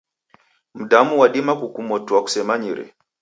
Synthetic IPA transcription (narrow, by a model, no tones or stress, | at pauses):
m̩damuwaɗimakukumɔtuaku̥sɛmaɲiɾɛ̰